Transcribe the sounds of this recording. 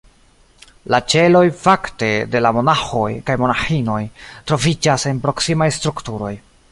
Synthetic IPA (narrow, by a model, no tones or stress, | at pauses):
lat͡ʃe̞lo̞jfakte̞de̞lamo̞naxo̞jkajmo̞naxino̞jtɾo̞vid͡ʒase̞npɾo̞ksimajstɾuktuɾo̞j